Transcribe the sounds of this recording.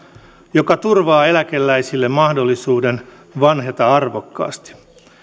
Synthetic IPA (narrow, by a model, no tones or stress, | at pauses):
jo̞kɑt̪urʋɑːe̞læke̞lːæjsilːemmɑhdo̞lːisuːden | ʋɑnɦet̪ɑɑrʋo̞kːɑ̰ːst̪i̥